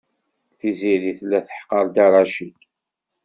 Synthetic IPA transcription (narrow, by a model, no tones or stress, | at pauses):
θiziɾiθlːæθə̥ħqəɾd̪ɑɾˤɑʃik